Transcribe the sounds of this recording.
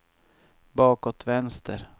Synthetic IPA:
bɑːkɔt̪ʰvɛnst̪ʰə̰ɾ

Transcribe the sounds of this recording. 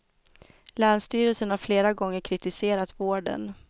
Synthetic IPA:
læːɳʂt̪yːɾəlsənhaɾfleːɾaɡɔŋːəɾkʰɾɪt̪ɪseːɾat̪voːɖə̰n

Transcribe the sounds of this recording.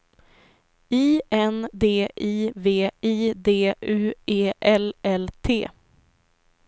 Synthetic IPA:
iːɛnd̪eːʔiːveːiːd̪eːʔʉ̟ːeːʔɛlɛlt̪ʰḛː

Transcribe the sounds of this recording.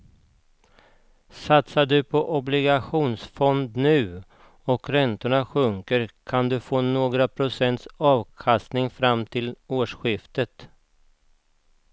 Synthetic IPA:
sat̪saɖɵpʰɔʔɔblɪɡaɧuːnsfɔnd̪nʉ̟ː | ɔkɾɛnt̪ʊɳaɧɵŋkəɾkʰand̪ɵfoːnoːɡɾapʰɾʊsɛnt̪sɑːvkʰast̪nɪŋfɾamːt̪ʰɪloːʂɧɪft̪ət̪

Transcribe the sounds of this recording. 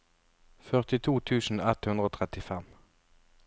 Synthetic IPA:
fœʁt̪ɪt̪ʰuːt̪ʰʉːsn̩ɛt̪hʉnd̪ʁoːt̪ʰʁɛt̪ɪfɛm

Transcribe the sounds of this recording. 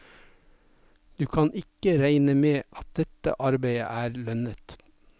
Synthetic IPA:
d̪̥ʉːkʰɑnʔɪkəɾæɪnəmeːʔɑt̪̚d̪ɛt̪ə̰ʔɑɾbeɪə̰ʔæːɾlœnət̪

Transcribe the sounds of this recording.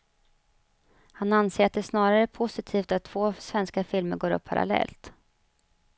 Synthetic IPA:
hananseːɾat̪̚d̪ɛsnɑːɾaɾəɛpʰʊsɪt̪ʰiːft̪at̪ʰːv̥oːsvɛnskafɪlməɾɡoːɾɵ̰pʰːaɾa̰lɛ̰lt̪

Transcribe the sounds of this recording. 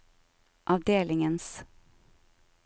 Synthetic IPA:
ʔɑʋd̪eːlɪŋəns

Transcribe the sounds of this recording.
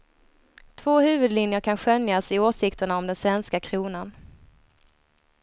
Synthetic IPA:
t̪ʰvoːhʉ̟ːvɵd̪lɪnjəɾkʰanɧœnjasɪoːʂɪkt̪əɳaɔmd̪ɛnsvɛnskakʰɾuːnan

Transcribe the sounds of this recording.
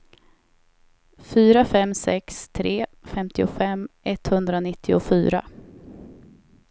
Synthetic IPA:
fyːɾafɛmːsɛkst̪ʰɾeː | fɛmt̪ɪʊfɛmːʔɛt̪ːhɵnd̪ɾanɪt̪ʰːɪʊfy̰ːɾa̰

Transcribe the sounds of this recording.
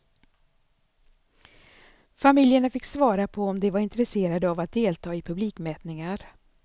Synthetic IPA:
famɪljəɳafɪkːsvɑːɾapʰɔɔmd̪ɛvaɾɪnt̪ɾɛseːɾad̪əavat̪̚d̪eːlt̪ʰɑːɪpʰɵbliːkmɛːt̪nɪŋaɾ

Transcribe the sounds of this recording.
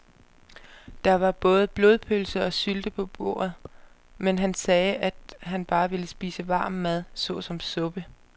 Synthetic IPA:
d̥ɑ̈ʋɑ̈b̥ɔ̽ːð̞ˠəb̥lo̝ðˠpʰølsəɒ̽syld̥əpʰɒ̽b̥o̝̰ːɐ̰ð̩ˠ | menɦænsɛːæd̥ɦænb̥ɑ̈ːʋe̝ləsb̥iːsəʋɑ̈ːmːæð̞ˠsɔ̽sɒ̽msɔ̽b̥ə

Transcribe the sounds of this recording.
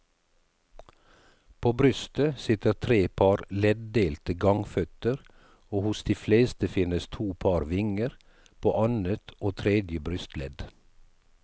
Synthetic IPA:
pʰoːbɾʏst̪əsɪt̪əɾt̪ʰɾeːpʰɑːɾlɛd̪d̪eːlt̪əɡɑŋfœt̪əɾ | oːhʊsd̪iːfleːst̪əfɪnəst̪ʰuːpʰɑːɾʋɪŋəɾ | pʰoːʔɑnət̪oːt̪ʰɾɛd̪jəbɾʉst̪lɛd̪

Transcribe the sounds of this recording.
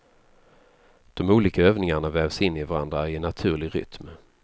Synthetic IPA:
d̪̥ɔmuːliːkaøːvnɪŋaɳavɛːvsɪnːɪvaɾa̰nd̪ɾaɪnat̪ʰʉ̟ːɭɪɾʏ̰t̪m

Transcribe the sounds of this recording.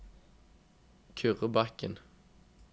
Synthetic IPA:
kʰʉʁəbɑkə̰n

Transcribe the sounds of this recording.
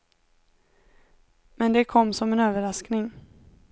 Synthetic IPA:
mɛnd̪ɛkʰɔmːsɔmɛnøːvəɾasknɪŋ

